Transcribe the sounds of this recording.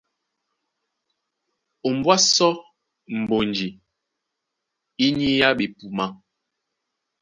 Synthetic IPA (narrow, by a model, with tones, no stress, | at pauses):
o˨m˨bwa˦sɔ˦ | m̩˨bo˨nd͡ʒi˨ | i˦ɲi˦ja˦ɓe˨pu˨ma˦